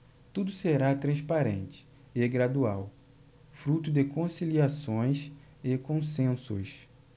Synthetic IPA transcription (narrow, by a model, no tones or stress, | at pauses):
t̪ud̪ʊseɾat̪ɾɐ̃spaɾḛ̃nt͡ʃɪ̥ | ɪɡɾad̪uaw | fɾut̪ʊd̪ɪkõsiliasõj̃s | ɪkõsẽsʊ̰s